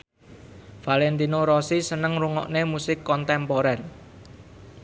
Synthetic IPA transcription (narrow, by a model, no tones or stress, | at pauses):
falɛnt̪inoɾɔsisənəŋruŋɔ̰ʔnemusɪkːɔnt̪ɛmpoɾɛn